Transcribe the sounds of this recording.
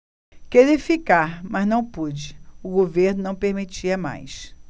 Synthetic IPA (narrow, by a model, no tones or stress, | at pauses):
keɾifikaɾmɐznɐ̃w̃pud͡ʒɪʊɡoveɾnʊnɐ̃w̃peɾmit͡ʃiɐma̰js